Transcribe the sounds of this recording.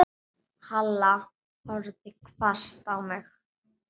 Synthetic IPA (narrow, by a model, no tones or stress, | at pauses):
halːa | hɔɾðɪkʰvast̪awmɪx